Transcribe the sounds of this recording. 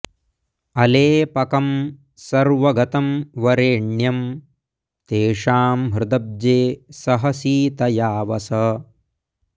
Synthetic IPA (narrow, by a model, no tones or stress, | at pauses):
ɐleːpɐkɐm | sɐɾʋɐɡɐt̪ɐmʋɐɾeːɳjɐm | t̪eːʂaːmɦɾɪd̪ɐb̚d͡ʒeːsɐɦɐsiːt̪ɐjaːʋɐsɐ